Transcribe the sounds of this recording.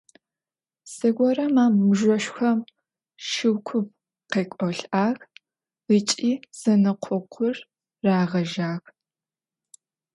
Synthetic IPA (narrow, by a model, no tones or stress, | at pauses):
sɐɡʷɔrɐmaːmːɨʒʷɔʃxʷɐm | ʃɨwkʷʰʊp̚ | qeːkʷʼɔɬʔaːx | lit͡ʃʼiːz̥ɐnɨqʷʰʊqʷʰʊrː | aːʁɐʒaːx